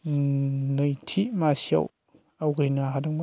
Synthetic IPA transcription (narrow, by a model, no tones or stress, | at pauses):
nəjtʰimasja̰w | awɡɾinaɦadaŋma